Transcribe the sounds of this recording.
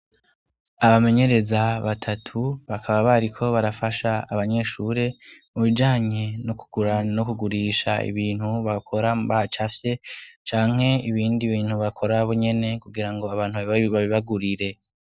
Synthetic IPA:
aβame̞ɲe̞ɾe̞zaβatʰatʰuβakʰaβaβaɾikʰo̞βaɾafaʃaaβaɲe̞ʃuɾe̞muβid͡ʒaːɲe̞noku̥ɡ̥uɾanokuɡuɾiːʃaḭβiːn̥huβakʰo̞ɾaβahat͡ʃafje̞t͡ʃaːŋ̥ɦe̞iβiːndiβiːn̥huβakʰo̞ɾaβoɲe̞ne̞kuɡiɾaŋɡo̞aβaːnhuββaβiβaɡuɾiɾe̞

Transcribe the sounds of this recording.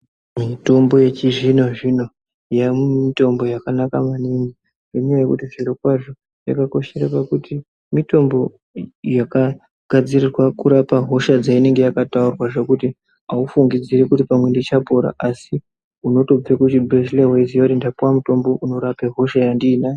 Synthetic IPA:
mito̞mbo̞je̞t͡ʃiʐino̞ʐino̞ | jamumito̞mbo̞jakanakamaniŋɡi | neɲjajekutiʐiɾokwaʐo | ja̰kako̞ʃe̞ɾapakutʰi | mito̞mbo̞ | jaka | ɡ̥ʱad͡zirirwakuɾapaɦo̞ʃad͡zaine̞ŋɡe̞jakataurwaʐe̞kuti | aufuŋɡid͡ziɾekutipamwe̞ndit͡ʃapo̞ɾa̰ʔasi | uno̞to̞b͡vekut͡ʃibreslewezijatindapwamuto̞mbo̞ʔuno̞ɾapeɦo̞ʃajandiːnaːje

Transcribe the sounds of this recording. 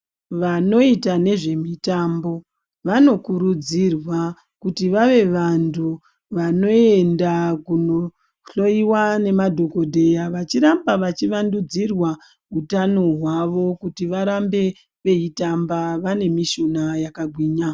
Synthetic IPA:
ʋano̞itane̞ʐe̞mitambo̞ | ʋano̞kuɾud͡zirwa | kutiʋaʋe̞ʋantʰu | ʋano̞e̞ndakuno̞ | ɬo̞iwane̞madʱo̞ko̞dʱe̞jaʋat͡ʃiɾambaʋat͡ʃiʋandud͡zirwa | utano̞ɦwaʋo̞kutiʋaɾambe̞ | ʋe̞itambaʋane̞miʃonajakaɡʱwiːɲa

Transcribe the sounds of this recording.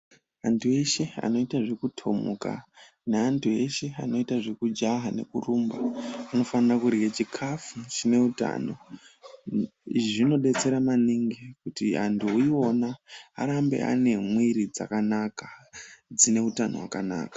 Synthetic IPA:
antʰue̞ʃea̰no̞itaʐekutʰo̞̰mṵka̰ | neantʰue̞ʃe̞ano̞itaʐe̞kud͡ʒaɦane̞̰kurumbaːno̞fanirakuɾeɡet͡ʃikʰafut͡ʃine̞uta̰ːno̞̰ | iʐʐino̞ɗe̞t͡se̞ɾamaniŋɡekutiantuuio̞naa̰ɾambe̞̰ʔa̰ne̞mwiɾid͡za̰kanakad͡zine̞utano̞̰wakana̰ːkḁ

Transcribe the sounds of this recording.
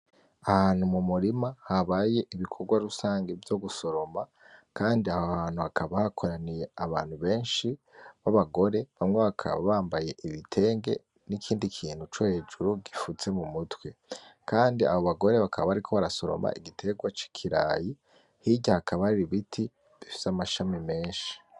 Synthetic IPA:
ahaːnhumumuɾimahaβaːje̞ʔiβikʰo̞ɡwaɾusaːŋɡe̞vjo̞ɡuso̞ɾo̞ma | kaːndiahohaːn̥uhakʰaβahakʰo̞ɾanije̞aβa̰ːn̥huβe̞ːnʃi | βaβaɡo̞ɾe̞βamŋeβakʰa̰βa̰βaːmbaje̞ʔiβitʰe̞ːŋɡe̞̰ | nikʰiːndikʰiːn̥hut͡ʃohe̞d͡ʒuɾuɡifut͡se̞mumutwekaːndia̰βo̞βaɡo̞ɾe̞βakʰaβaaɾikʰo̞βaɾaso̞ɾo̰ma̰ʔiɡitʰe̞ɡwat͡ʃi̥kʰiɾa̰ːji | hiɟahakʰaβahaiɾiβitʰi | βifi̥samaʃamime̞ːnʃi̥

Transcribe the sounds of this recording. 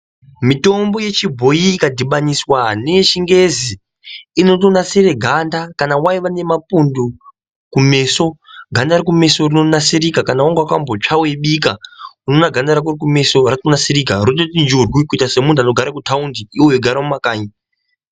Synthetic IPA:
mito̞mbo̞je̞t͡ʃibʱo̞iːkadʱiɓaniswane̞ʃiŋɡe̞ziː | no̞tonasiɾe̞ɡʱandakanawaiʋane̞mapundu | kume̞so̞ɡʱandarikume̞so̞rino̞nasiɾikakanawaŋɡwakambot͡ʂawe̞ɓikauno̞naɡʱandaɾak̬urikume̞so̞rakonasirikarot̬otind͡ʒurwikuitase̞mundano̞ɡʱaɾakutʰaundiiwojoɡʱaɾamumakaːɲi

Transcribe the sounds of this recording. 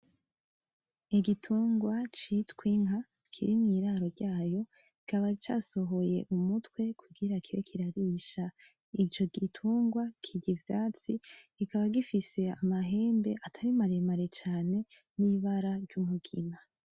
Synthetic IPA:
iɡitʰuːŋɡwat͡ʃitkwiŋɦa | kʰiɾinŋiːɾaːɾo̞ɾɟaːjo̞ | ikaβat͡ʃa̰ːso̞ɦo̞je̞̰ʔumutwe̞kʰuɡiɾakʰiɾekʰiɾaɾiʃa | it͡ʃo̞ɡitʰuːŋɡwakʰiɟivjaːt͡si̥ikaβaɡifise̞a̰maɦe̞ːmbe̞ʔatʰaɾimaɾemaɾe̞t͡ʃaːne̞ | niβaɾaɾɟumuɡima

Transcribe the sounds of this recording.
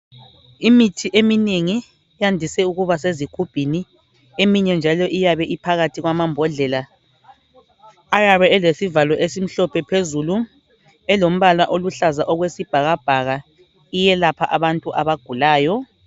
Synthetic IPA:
imitʰiʔemineŋi | jandʱisɛuɣuβaseziɡ̥ʱub̥ʱini | emiɲɛnd͡ʒʱalɔʔijaβɛʔipʰaɣatʰiɣwamambʱɔɮɛla | ajaβɛɛlesivalɔʔesim̩ɬɔpʰɛpʰezulu | ɛlom̩βalwaʔoluɬazaʔɔɣwesib̥ʱaɣab̥ʱaɣa | ijɛlapʰaʔaβantʼuʔaβaɡ̥ʱulaːjɔ

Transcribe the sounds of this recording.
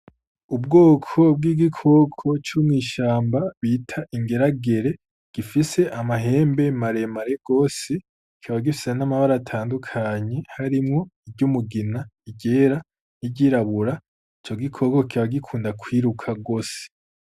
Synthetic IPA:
ubɡoːkʰo̞b̚ɡiːɡikʰo̞kʰo̞t͡ʃuːmŋiːʃaːmbaβiːtʰaʔiŋɡe̞ɾaɡe̞ɾe̞ | ɡ̥ifise̞ʔamaɦe̞ːmbe̞maɾe̞maɾe̞ɡ̥o̞ːse | kʰiaβaɡifi̥se̞namaβaɾatʰaːndukʰaɲe̞haɾimŋo̞iɟumuɡinaiɟe̞ːɾa | niɟiːɾaβuɾa | it͡ʃo̞ɡikʰo̞ɡokiβaɡikʰuːndakwiːɾukʰaɡo̞ːse̥

